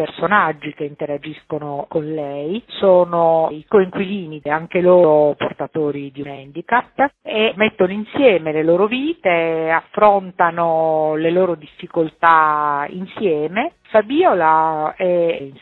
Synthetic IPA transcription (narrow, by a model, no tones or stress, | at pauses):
personad͡ʒːikeint̪eɾad͡ʒiskonokonlɛjsoːnoikoiŋkwiliːnieaŋkeloːɾoport̪at̪oːɾid̪iunɛnd̪ikapːemet̪ːonoinsjɛːmeleloːɾoviːt̪eafːɾont̪anoleloːɾod̪ifːikolt̪aḭnsjɛːme | fabiːolaɛn